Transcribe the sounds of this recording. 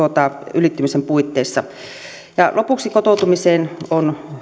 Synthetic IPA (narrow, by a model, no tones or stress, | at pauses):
ot̪ɑylit̪ːymisempuit̪ːeˑisːɑ | jɑlʔopuksikot̪oˑut̪umiseːnon